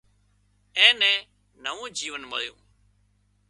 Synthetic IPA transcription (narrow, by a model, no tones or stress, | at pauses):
ɛ̃ːnɛ̃ː | nəʋõːd͡ʒiːʋənmə̰ljṵ̃ː